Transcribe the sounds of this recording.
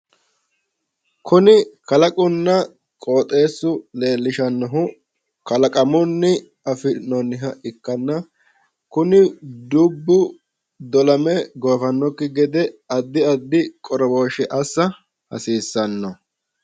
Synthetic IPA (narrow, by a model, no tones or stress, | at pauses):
kʰʊnɪkɐlɐkʼʊnːɐ | kʼo̞ːt̪ʼe̞ːsːʊle̞ːlːɪʃɐnːɔɦʊ | kɐlɐkʼɐmʊnːɪ | ɐfɪnɔnːɪɦɐɪkːɐnːɐ | kʊnɪd̪ʊbːʊ | d̪ɔlɐmɛɡoːfɐnːɔkːɪɡɛd̪ɛɐd̪ːɪɐd̪ːɪkʼɔɾɔbo̞ːʃɛʔɐsːɐ | hɐ̰siːsːɐnːɔ